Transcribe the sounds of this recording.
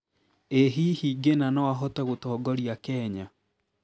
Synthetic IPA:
eɦiːhiːɡenanɔwaɦɔtɛɣotɔːɡɔɾijakɛːɲa

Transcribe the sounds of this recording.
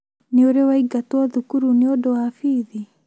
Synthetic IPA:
neoɾewaiɡatwaðukuɾuneodɔwaːfiːði

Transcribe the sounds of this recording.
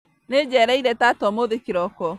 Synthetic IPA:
ned͡ʒɛɾɛiɾɛtatɔmoðekiɾɔkɔ

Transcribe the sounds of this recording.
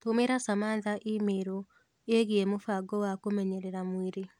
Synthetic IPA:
tomeɾasamaðaʔemeɾɔ | eɣiemofaɡɔwakomɛɲɛɾɛɾamweɾe

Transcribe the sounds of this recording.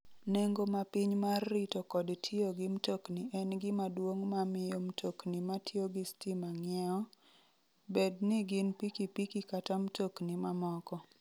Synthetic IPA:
neŋɡomapiɲmarːitokɔdtʰɪoɡɪmtokniʔɛnɡɪmadwoŋmamɪjomtʰoknimatʰɪoɡɪstimaŋjɛɔ | bednɪɡɪnpikipikikatamtoknimamɔkɔ

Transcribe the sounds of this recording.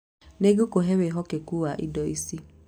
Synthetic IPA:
neɡukoɦeweɦɔkekuwaʔḭdɔisi

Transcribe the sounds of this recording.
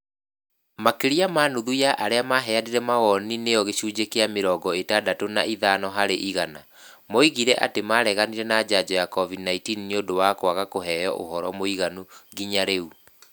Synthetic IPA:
makeɾiamanuðujaʔaɾeamaɦɛadeɾɛmaɣɔninejɔɣeɕuːd͡ʑekeameɾɔːɡɔetadatonaiðanɔɦaɾeʔiɣana | mɔiɣiɾɛʔa̰temaɾɛɣaniɾɛnad͡ʑad͡ʑɔjakɔvidnaitiːnneodowakwaɣakoɦɛːjɔʔo̰ɦɔɾɔmoiɣanuɡiɲaɾeu

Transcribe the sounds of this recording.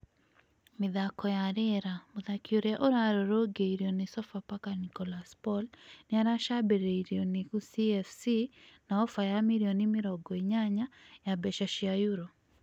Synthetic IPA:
miðakɔjaɾɛɾamuðakioɾɛaʔoɾaɾɔɾɔɡeiɾiɔnesɔfapakanikɔlaspɔlniaɾaʃabɛɾeiɾiɔnikusiɛfsinaɔfajamiɾiɔnimiɾɔɡɔiɲaɲajabɛʃaʃiajuɾɔ

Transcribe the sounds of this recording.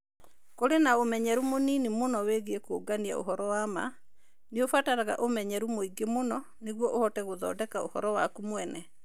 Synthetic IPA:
koɾenaomɛɲɛɾumoninimonɔweɣeekoɡania̰o̰hɔɾɔwama̰ | neofataɾaɣa̰ʔomɛɲɛɾumoiɡemonɔ | neɣwɔʔohɔtɛɣoðɔ̰ːdɛkao̰hɔɾɔwa̰kumwɛnɛ

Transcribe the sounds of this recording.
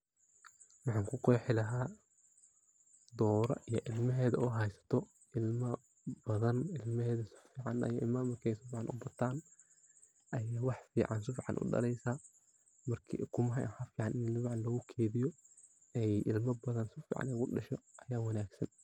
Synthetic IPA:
wɑħɑːŋkʰʊkʰɔjħɪlɐɦaː | d̪ɔːɾɐ̰ʔijɔʔɪlmɐɦɛːðɐuɦɛjsɐ̥t̪ʰɔ | ʔɪlmɐ | bɐðɐnɪlmɐɦɛːðɐsʊ̥fiːʕɑnɐ̰jɪlmɐmɐrkʰːjsʊfiːʕɑnʔʊ̰bɐt̪ʰaːn | ʔɐjaːwɑħfḭːʕɑnsʊfɪʕɑ̰nʔʊ̰ɖɐ̰lɛjsaː | mɐrkʰḭkʰʊmɦɛ̰ħɐfiːʕɑnʔɪnɪlbʕnlɐɣʊkʰeːðɪjɔ | ɛjɪ̰lmɐbɐðɐnsʊfḭːʕɑ̰nɛɣʊɖɐʃɔʔɐjaːwɑnaːɡsɐn

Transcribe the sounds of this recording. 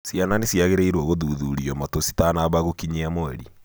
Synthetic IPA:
siananesiaɣeɾeiɾwɔɣoðuːðuɾiɔmatosi̥tanaβaɣokiɲeamoɛ̰ɾi

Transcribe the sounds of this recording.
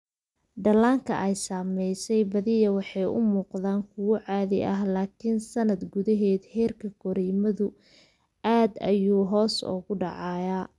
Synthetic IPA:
ɖɐlaːŋkʰɐ̰ʔɛjsaːmɛjsɛjbɐðɪjɐwɑħɑjʔʊ̰muːqðaːŋkʰʊɣʊʕɑːðɪʔɐɦlaːkʰɪnsɐnɐd̪ɡʊðɐɦɛːd̪hɛːrkʰɐɡɔɾɛːmɐðʊ | ʔaːd̪ɐ̰juːɦɔːsɔ̰ːɣʊɖɑʕɑːjaː

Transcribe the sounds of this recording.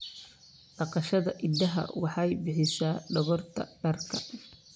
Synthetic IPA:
ɖɑqɑʃɐðɐʔɪd̪ːɐɦɐ̰wɑħɑjbɪħɪsaːɖɔɣɔrt̪ʰɐ̰b̥ɐrkʰɐ

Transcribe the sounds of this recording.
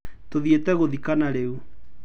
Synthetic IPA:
toðietɛɣoðikanaɾeu

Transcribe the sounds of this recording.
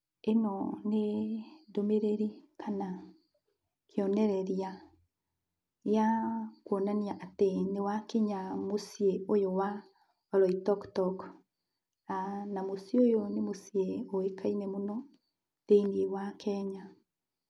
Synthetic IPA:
enɔnedomeɾeɾikana | kʰeɔnɛɾɛɾja | jakwɔnaniaʔatenewakeɲamosijeojowa | ɔɾɔitɔktɔk | anamosiojonemosieoekainɛmonɔ | teiniwakʰɛɲa

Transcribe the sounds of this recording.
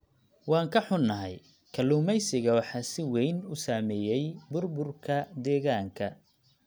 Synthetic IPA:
wɑːŋkʰɐħʊnːɐɦɛj | kʰɐluːmɛjsɪɣɐwɑħɑːsɪwɛjnʊsaːmɛːjɛjbʊrbʊrkʰɐd̪ɛːɣaːŋkʰɐ

